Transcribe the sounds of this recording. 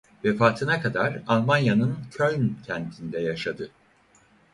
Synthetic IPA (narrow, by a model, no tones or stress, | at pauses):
vɛfaːt̪ʰɯnakʰad̪aɾalˠmanjanɯncʰølʲncʰɛnt̪ʰind̪ɛjaʃad̪ɯ